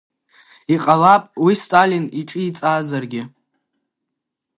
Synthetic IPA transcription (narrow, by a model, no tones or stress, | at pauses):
iqʼalapʼwistʼaliniʈ͡ʂʼɨit͡sʼaːzarɡʲɪ